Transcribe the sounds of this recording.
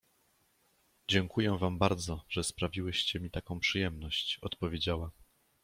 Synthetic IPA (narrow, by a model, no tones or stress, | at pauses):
d͡ʑɛŋkujɛvambaɾd̪zɔʐ̥ɛspɾavʲiwɘɕt͡ɕɛmʲit̪akɔ̃w̃pʂɘjɛmnɔɕt͡ɕɔt̪pɔvʲjed͡ʑawa